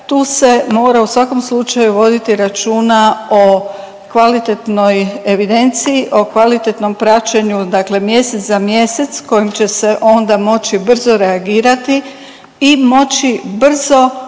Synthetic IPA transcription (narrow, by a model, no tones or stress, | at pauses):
t̪uːse̞mo̞ːɾausʋako̞mslˠut͡ʃajuʋo̞d̪it̪iɾat͡ʃuːnao̞ | kʋalit̪et̪no̞je̞ʋid̪e̞nt̪sijiʔo̞kʋalit̪e̞t̪no̞mpɾat͡ʃe̞ɲud̪akle̞mje̞se̞t̪zamje̞se̞t̪sko̞jimt͡ɕe̞se̞ʔo̞nd̪amo̞t͡ɕibr̩zo̞ɾe̞aɡiːɾat̪i | imo̞t͡ɕibr̩zo̞